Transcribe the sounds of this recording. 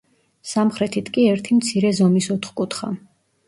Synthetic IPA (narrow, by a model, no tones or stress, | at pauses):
samχɾɛt̪ʰit̪ʰkʼiɛɾt̪ʰimt̪sʰiɾɛzɔmisɔt̪χkʼut̪ʰχa̰